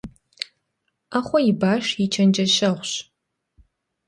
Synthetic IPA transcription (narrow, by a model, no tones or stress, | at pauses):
aχʷɔjibaːʂjit͡ʃʰɐnd͡ʒɐɕɐʁʷɕ